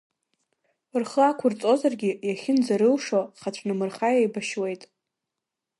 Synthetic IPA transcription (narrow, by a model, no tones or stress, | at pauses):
rχəakʷʰʊrt͡sʼo̞zarɡʲijaχʲɪnd͡zaɾɨlʂoχat͡ɕʷʰnɨmɨrχajajbaʃwe̞jtʼ